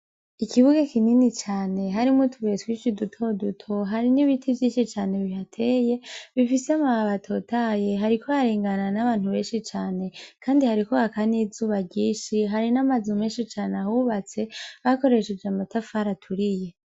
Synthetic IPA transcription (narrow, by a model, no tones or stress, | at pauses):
ikʰiβuɡakininit͡ʃaːne̞ɦaɾimutʰuβietwiːʃidutʰo̞dutʰo̞ɦaɾiniβitʰivjiːnʃit͡ʃaːne̞βihatʰeːje̞βifiseamaaβatʰo̞taje̞ɦaɾikʰoaɾiːŋɡananaβaːn̥huβe̞ːnʃit͡ʃaːne̞kʰaːndihaɾiko̞hakanizuːβaɾɟiːʃiɦaɾinamazumeːnʃit͡ʃaːneahuβat͡se̞βako̞ɾe̞ʃed͡ʒeamatafaɾatʰuɾije̞